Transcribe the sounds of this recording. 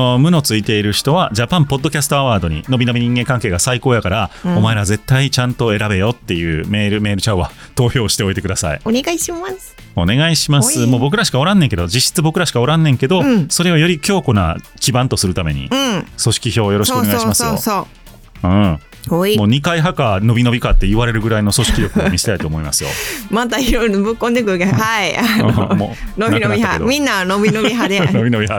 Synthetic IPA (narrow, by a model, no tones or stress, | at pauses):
omɯ̟no̞t͡sɨit̪e̞iɾɯ̟çi̥t̪o̞βad͡ʑapãmpo̞d̪ːokʲasɨ̥t̪o̞aβaːd̪oɲ̟ḭno̞bʲino̞bʲiɲ̟ĩŋɡẽŋkãŋke̞ːɡasaiko̞ːjakaɾaomae̞ɾaze̞t̪ːait͡ɕãnt̪o̞e̞ɾabe̞jo̞t̪ːe̞jɯ̟ːme̞ːɾɯ̟me̞ːɾɯ̟t͡ɕaβa̰ | t̪o̞ːço̞ːɕi̥t̪e̞o̞it̪ekɯd̪asa̰ḭɡaa | one̞ɡaiɕimasɨmo̞ːbo̞k̬ɯ̟ɾaɕi̥kaoɾãnːẽ̞ŋke̞d̪od͡ʑiɕːi̥t͡sɨbo̞kɯ̟ɾaɕi̥kaoɾãnːẽ̞ŋke̞d̪o̞so̞ɾe̞o̞jo̞ɾʲikʲo̞ːko̞na̰kʲibãnt̪o̞sɨɾɯ̟t̪ame̞ɲ̟ḭɯ̃so̞ɕi̥kʲiço̞ːjo̞ɾoɕikɯoeɡaiɕimasoo̰so | ɯ̃ | moːɲ̟ikaiɦakano̞bʲino̞bʲikat̪ːe̞iβaɾe̞ɾɯ̟ɡɯ̟ɾaino̞so̞ɕi̥kʲiɾjo̞kɯ̟omʲiɕi̥t̪ait̪oːmoima̰sɨ̥jo̞̰mat̪aiɾonbɯkːõnd̪ekɯkahaiamo̰nob̪anoiad̪mʲĩnːanobʲinoiɦad̪enobʲino̞bʲiɦa